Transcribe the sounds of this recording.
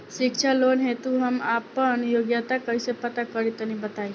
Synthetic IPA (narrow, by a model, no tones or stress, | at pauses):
sɪkt͡ʃʰaloːnɦet̪uɦɐmaːpːənjoːɡjat̪akəisepət̪akəɾit̪ənĩbət̪aːi